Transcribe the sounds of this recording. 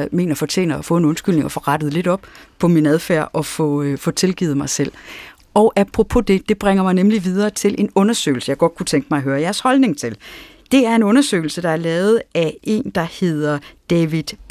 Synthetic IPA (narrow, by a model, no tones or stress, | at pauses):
me̝̰ːnɐfɒ̽t͡ɕʰe̝̰ːnɐɒfɔ̽e̝nɔ̽nsɡ̥yl̰ne̝ŋɒ̽fɒ̽ʁɑd̥əð̩ˠle̝d̥ɒ̽b̥pʰɒ̽minæð̞ˠfæ̰ɐ̰ʔɒ̽fɔfɔ̽t͡sʰe̝lɡ̥ḭːð̩ˠmɑ̈ɪsel̰ | ɒʊʔæpʰʁopʰo̝d̥e̝d̥e̝b̥ʁeŋɐmɑ̈ɪnemliʋiðˠɐːt͡sʰe̝lʔe̝nɔ̽nɐsø̰ːɪl̩səjɑ̈ɪɡ̥ɒ̽d̥̚kʰut͡sʰeŋɡ̥əmɑ̈ɪɦøːɐjæɐshɒ̽lne̝ŋt͡sʰe̝l | d̥e̝æɐe̝nɔ̽nɐsø̰ːɪl̩səd̥ɑ̈æɐlɛːʊð̞̩ˠæʔe̝̰ːnd̥ɑ̈he̝ð̞̰ˠɐd̥ɛʋid̥